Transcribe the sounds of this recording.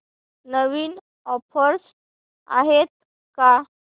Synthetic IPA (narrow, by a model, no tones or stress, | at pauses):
nəʋiːn | ɔfʰəɾs | a̰ɦet̪̚ | ka